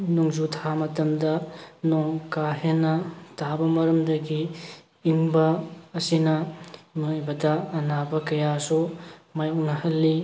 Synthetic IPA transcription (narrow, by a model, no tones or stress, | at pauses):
nuŋzutʰamɐtɐmdɐnɔŋkaɦenːɐtabɐmɐɾɐmdɐɡiː | ŋbɐːsinɐmjbɐdɐːnabɐkɐjasumajunɐɦɐlːi